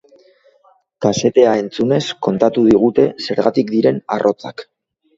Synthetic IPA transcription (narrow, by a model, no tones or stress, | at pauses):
kase̞t̪e̞ae̞nt͡sune̞sko̞nt̪at̪uð̞iɣ̞ut̪e̞se̞ɾɣat̪ik̚d̪iɾe̞na̰rʔo̞t͡sa̰k